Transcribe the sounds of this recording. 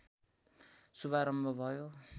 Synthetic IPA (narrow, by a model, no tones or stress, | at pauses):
subaɾʌmbʱʌbʱʌjo